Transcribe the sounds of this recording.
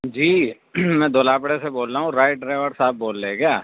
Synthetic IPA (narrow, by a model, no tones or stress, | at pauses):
d͡ʒiː | mɛ̃ːd̪oːlaːpɽeseboːlɾaːɦũɾaːɪʈ̚ɖɾeːʋəɾsaːb̚boːlːeːɡjaː